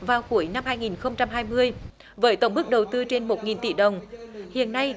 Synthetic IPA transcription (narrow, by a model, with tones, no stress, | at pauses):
vaː˨˩wxu˧˩əjna˧mhaː˧jŋi˨˩nxə˧wŋ͡mt͡ɕa˧mɦaː˧jmɨ˧əj | vəː˨˦jt̪ə˧˩wŋ͡mɓɨ˦˥k̚ɗə˨˩wt̪ɨ˧t͡ɕe˧nmo˨˩t̚ŋi˨˩nt̪ḭ˧˩ɗə˨˩wŋ͡mhḭ˧˨ənːa˧j